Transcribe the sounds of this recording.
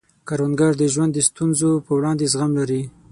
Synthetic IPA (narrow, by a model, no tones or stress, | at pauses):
kaɾwanɡaɾd̪əʒwand̪ːəst̪unzopəwɽɑnd̪ezɣamlaɾi